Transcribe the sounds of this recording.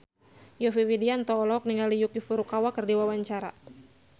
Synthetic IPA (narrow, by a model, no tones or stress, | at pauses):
jɔfiwidiant̪ɔːlɔk̚niŋalijukjufuɾukawakɨrdiwawaɲt͡ʃaɾa̰